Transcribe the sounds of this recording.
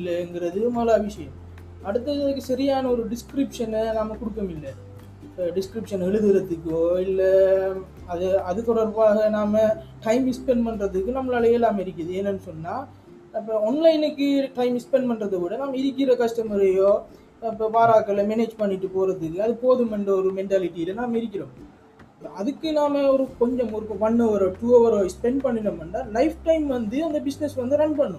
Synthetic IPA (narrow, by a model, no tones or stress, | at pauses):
ɪlːɐɛŋɡɪɾɐðɯmɐlɐʋɪʂɐjɐm | ɐɽɯt̪ːɐðɐkːɯsɐɾɪjaːnɐɔɾɯɖɪskɾɪpʂɐnnaːmɐkʊɽɯkːɐmɪlːɛ | ɖɪskɾɪpʂɐnɛɭɯðɯɾɐt̪ːɯkːɯoːɪlːɛ | ɐðɯɐðɯkːɔɽɐɾpaːɣɐnaːmɐʈɐɪmɪspɛɳɖpɐɳrɐðɯkːɯnɐmːɐlaːleːlaːmɪɾɯk̬ʲːɪɾɐðɯɛnːɐnːɯsɔnːaː | ɐp̬ːɐɔnlɐɪnɯkːɯʈɐɪmɪspɛɳɖpɐɳɖrɐðɐʋɪɽɐnaːmɐɪɾɯkʲːɪɾɐkɐʂʈɐmɐɾɐjoː | ɐpːɐːʋaːɾaːkːɐlɐmɛneːd͡ʒpɐɳːɪʈːɯpoːɾɐðɯkːɯɐðɯpoːðɯmɐɳɖɐɔɾɯmɛɳʈaːlɪʈːiɪlɐnaːmɪɾɯkʲːɪɾõːm | ɐðɯkːɯnaːmɐɔɾɯkɔɲd͡ʒɔmɔɾɯkːɐʋɐnːɔʋɐɾoːʈuoːʋɐɾoːspɛɳɖpɐɳːɪnɐmɐnɖalɐɪfʈɐɪmʋɐnd̪ɯɐnd̪ɐbɪsnɛsʋɐnd̪ɯɾɐɳpɐɳːʊ̃